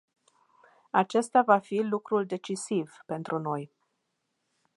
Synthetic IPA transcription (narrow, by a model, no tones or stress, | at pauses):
at͡ʃe̞st̪avafilukɾuld̪e̞t͡ʃisivpe̞nt̪ɾuno̞j